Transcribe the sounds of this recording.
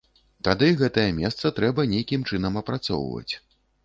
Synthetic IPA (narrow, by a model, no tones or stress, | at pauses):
t̪ad̪ɨɣɛt̪ɐjɐmʲɛst̪sɐt̪ɾɛbɐnʲejkʲimt͡ʂɨnɐmɐpɾat̪sɔ̰wvɐ̰t͡sʲ